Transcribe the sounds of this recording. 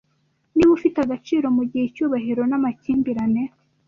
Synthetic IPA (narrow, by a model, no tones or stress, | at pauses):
niβufitaɡat͡ʃiːɾo̞muɟihecuːβaɦiɾo̞namaciːmbiɾane̞